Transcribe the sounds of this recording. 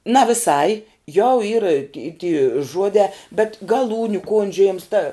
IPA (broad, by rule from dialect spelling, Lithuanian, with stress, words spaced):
nɐ ʋʲɪˈsɐɪ jɛʊ iːr ɪ tʲɪ tʲiː ˈʒuɔdʲɛː bʲɛt ɡɐˈlˠuːnʲʊ ˈkoːnʲd͡ʒʲʊjeːms tɐ